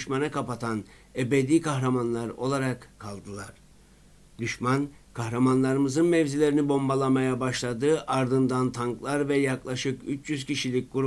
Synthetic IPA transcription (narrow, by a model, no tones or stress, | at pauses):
yʃmanakapat̪ʰan | ebed̪iːkʰaxɾamanlˠaɾo̞̰lˠaɾakʰːalˠd̪ɯlˠaɾ̥ | d̪̥yʃman | kʰahɾamanlˠaɾɯmɯzɯnmɛvzilʲe̞ɾinibo̞mbalˠamajabaʃlˠad̪ɯːʔaɾd̪ɯnd̪ant̪ʰaŋklˠaɾvɛjaklˠaʃɯkyt͡ʃʰjyz̥ciʃilʲic̚ʲɡ̥uɾu